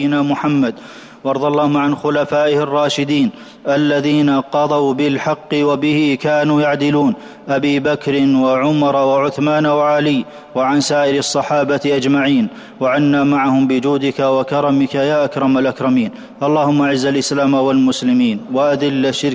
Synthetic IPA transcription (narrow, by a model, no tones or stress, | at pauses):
ɪnaːmʊħamːad̪ | wʔɑɾˤd̪ˤɑlˤːɑːhʊmaʕanxʊlafaːʔɪhɪrˤːɑːʃɪd̪iːn | ʔalːaðiːnaqɑd̪ˤɑwbɪlħɑqːɨwabɪhɪkaːnuːjaʕd̪ɪluːn | ʔabiːbakɾɪnwaʕʊmɑɾˤwaʕʊθmaːnawaʕalɪj | waʕansaːʔɪɾɑsˤːɑħɑːbatʔad͡ʒmaʕiːn | waʕanːaːmaʕahʊmbɪd͡ʒuːd̪ɪkawakɑɾˤɑmɪkajaːʔakɾˤɑmalʔakɾˤɑmiːn | ʔɑlˤːɑːhʊmːaʔʕɪzːalʔɪslaːmawalmʊslɪmiːnwaʔad̪ɪlːaʃɪɾ